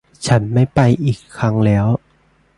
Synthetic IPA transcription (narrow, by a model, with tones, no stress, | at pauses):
t͡ɕʰa˦˥nma˥˩jpa˧jʔiː˨˩kʰːɾa˦˥ŋlɛː˦˥w